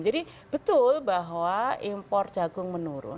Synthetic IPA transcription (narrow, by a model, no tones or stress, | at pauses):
d͡ʒadi | b̥ət̪ʊlbaɦwaimpɔrd͡ʒaɡʊŋmənuɾʊ̰